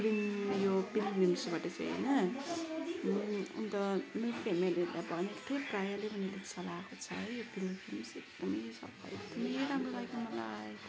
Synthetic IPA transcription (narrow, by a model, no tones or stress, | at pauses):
ɾinjopilnimsbaʈʌt͡sḛɦḛjnʌ | ṵnt̪ʌmeɾpʰemelilabʱʌneʈ̪ʰuɾprajalebʱʌnelet͡sʌlaːkot͡sʰʌ̰jjopilopʰilmsek̚d̪ʌmʌjsʌ̰bʌ̰ḛk̚d̪ʌmʌjɾamrolaɡomʌlaj